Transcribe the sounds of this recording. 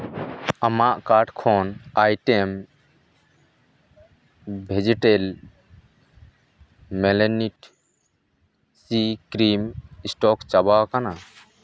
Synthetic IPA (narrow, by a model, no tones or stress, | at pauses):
amaʔkaɾɖkʰɔnajʈɛm | bʱed͡ʒɛʈel | mɛlɛniʈ | sikɾimisʈɔkt͡ʃabawkana